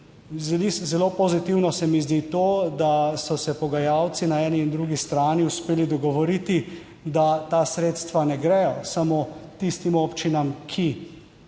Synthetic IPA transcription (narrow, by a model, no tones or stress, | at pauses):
zɛliszɛlopɔzit̪iwnɔsɛmizd̪it̪oːd̪asɔsɛpɔɡajawt̪sinaɛːniːnd̪ɾuɡist̪ɾaːniuspeːlid̪ɔɡɔʋɔɾit̪i | d̪at̪aːsɾeːt̪st̪ʋanɛɡɾɛjɔsamoːt̪ist̪imoːpt͡ʃinamkʰi